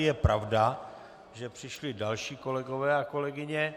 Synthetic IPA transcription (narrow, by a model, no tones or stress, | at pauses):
jɛpɾavda | ʒɛpr̝̥ɪʃlɪdalʃiːko̞lɛɡo̞vɛːako̞lɛɡɪɲɛ